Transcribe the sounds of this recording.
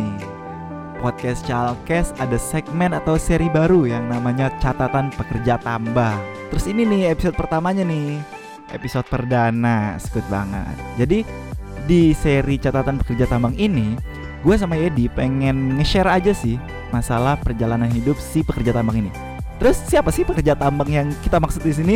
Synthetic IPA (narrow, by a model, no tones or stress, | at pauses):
ɪ | pɔt̪̚kɛst͡ʃalkɛsadasɛɡ̚mɛnat̪awseɾibaɾujaŋnamaɲat͡ʃat̪at̪anpəkərd͡ʒat̪ambaŋt̪əɾʊsininɪhepisod̪̚pərt̪amaɲanɪh | ḛpisod̪̚pərdanasə̥kʊt̪̚ba̰ŋə̰t̪̚d͡ʒadidiseɾit͡ʃat̪at̪anpəkərd͡ʒat̪ambaŋini | ɡuas̬amajadipeŋɛnŋəʃɛɾad͡ʒasɪh | masalahpərd͡ʒalananɦidʊp̚sɪhpəkərd͡ʒat̪ambaŋini | t̪əɾʊsːiapasɪhpəkərd͡ʒat̪ambaŋjaŋkit̪amaksʊt̪̚dis̬ini